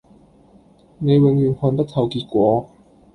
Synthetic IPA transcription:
ne˨˧jwɪ˨˧˥ŋjyː˨˩nhɔː˨˧nt̪ɐ˥k̚t̪ʰɐ˨˧wkiː˧t̚kʷɔː˨˥

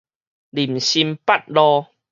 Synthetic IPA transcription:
li˨˩mɕi˧mpa˦t̚lɔ˧

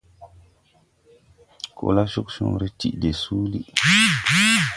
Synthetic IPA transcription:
kʰo̰˨la˦ʃo˦kʃṵ˨ŋɾi˦tḭ˨de˨su˦li˦

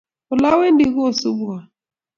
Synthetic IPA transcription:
ʊ˨la˦we˦ndi˨ɣu˦o˦˨su˦bu˨a˨

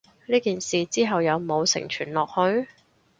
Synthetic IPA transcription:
liː˥kiː˨nsiː˨t͡siː˥ɦɐ˨wjɐ˨˧wmo˨˧wsɪ̰˨˩ŋt͡ʃʰy̰ː˨˩nlɔː˨k̚hɵ˧ɥ

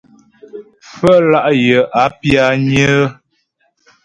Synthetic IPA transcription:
fə˦la˦ʔjə˨ʔa˨˦pja˦ɲə˦

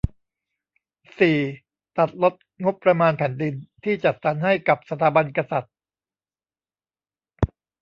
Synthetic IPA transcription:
siː˨˩ | t̪a˨˩t̪̚lo˦˥t̪̚ŋo˦˥pːɾa˧maː˧npʰɛ˩˦ndi˧nt̪ʰiː˥˩t͡ɕa˨˩t̪̚sa˩˦nha˥˩jka˨˩p̚sa˧t̪ʰaː˩˦ba˧nka˧sa˨˩t̪̚

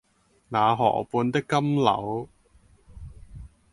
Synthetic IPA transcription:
naː˨˧ɦɔ̰ː˨˩puː˧nt̪ɪ˥kːɐ˥mlɐ̰˨˥w

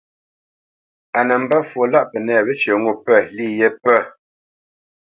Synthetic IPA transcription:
a˨nə˨m̩˦ba˦fwo˨la˦ʔpə˨nɛ˦˨bə˦t͡ʃə˨ŋu˦˨pə˦˨li˦˨jɛ˦pə˦˨

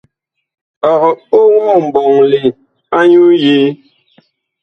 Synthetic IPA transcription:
ɔ˨ɣɔ˨o˦ŋmɔ˦˨m̩˨bɔ˨ŋli˨ | a˦ɲu˦je˨˦

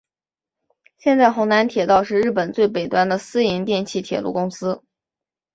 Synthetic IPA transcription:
ɕjɛ˥˧nt͡sa˥˩ɪxʊ˧˥ŋna˧˥nt̪ʰjɛ˨˩t̪ɑ˥˧ʊʂɻ̩˥˧ɻ̩˥˩pə˨˩nt͡swe˥˩ɪpe˨˩ɪt̪wa˥nd̪ə˨sɹ̩˥i˧˥ŋt̪jɛ˥˧nt͡ɕʰi˥˩t̪ʰjɛ̰˨˩lṵ˥˩kʊ˥ŋsɹ̩˥

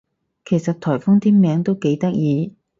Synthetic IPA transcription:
kʰe˨˩jsɐ˨t̚t̪ʰɔː˨˩jfʊ˥ŋt̪ʰiː˥nmɛː˨˥ŋt̪o˥wke˨˥jt̪ɐ˥k̚jiː˨˧

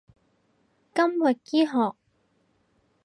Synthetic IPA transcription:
kɐ˥mwɐ˨t̚kiː˥ɦɔː˨k̚

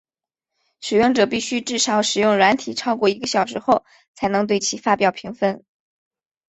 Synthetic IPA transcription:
ʂɻ̩˨˩jʊ˥˩ŋʈ͡ʂɤ˨˩pi˥˩ɕy˥ʈ͡ʂɻ̩˥˩ʂɑ˧˥ʊʂɻ̩˨˩jʊ˥˩ŋɻwa˧˥nt̪ʰi˨˩ʈ͡ʂʰɑ˥ʊkwɔ˥˩i˧˥ɡə˧ɕjɑ˨˩ʊʂ̬ɻ̩˧˥xo˥˩ʊ | t͡sʰa˧˥ɪnɤ˧˥ŋt̪̬we˥˩ɪt͡ɕʰi˧˥fa˥pjɑ˨˩ʊpʰi˧˥ŋfə˥˩n

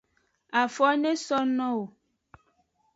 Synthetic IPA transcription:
a˨fɔ˦nẽ˦sɔ˦nɔ̃˦wo˨

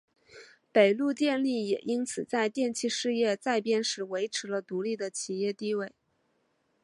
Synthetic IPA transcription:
pe˨˩ɪlu˥˧t̪jɛ˥˧nli˥˩jɛ˨˩ʔi˥nt͡sʰɹ̩˨˩t͡sa˥˧ɪt̪jɛ˥˧nt͡ɕʰi˥˧ʂɻ̩˥˧jɛ˥˧t͡sa˥˧˩ɪpjɛ˥nʂɻ̩˧˥we˧˥ɪʈ͡ʂʰɻ̩˧˥lə˧t̪u˧˥li˥˩d̪ə˩t͡ɕʰi˨˩jɛ˥˧t̪i˥˧we˥˩ɪ

